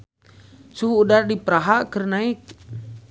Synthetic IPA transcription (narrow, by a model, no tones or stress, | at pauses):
suɦuːdardipəɾaɦakərnaik̚